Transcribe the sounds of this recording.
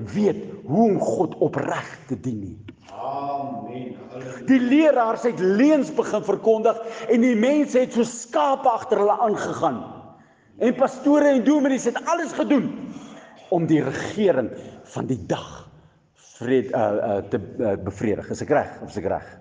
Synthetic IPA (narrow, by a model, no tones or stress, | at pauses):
viətɦuɔmχɔtʰɔpræχtədini | diliəɾɑːrsɛtliənsbəχənfərkɔndəχɛndimɛnsəɦɛtsuəskɑːpəɐχtərɦələʔɑːnχəχɑːn | ɛnpɐstuəɾəɛnduəmənisɦɛtɐləsχədun | ɔmdirəχiəɾəŋfɐndidɐχ | friə̰ətəəbəfriədəχəsəkræ̰χɔfəsəkræ̰χ